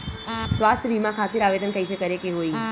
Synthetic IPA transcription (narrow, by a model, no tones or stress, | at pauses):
sʋast̪ʰəbʱimãkʰat̪iɾaʋed̪ənkəjt͡ʃʰekəɾekeɦoi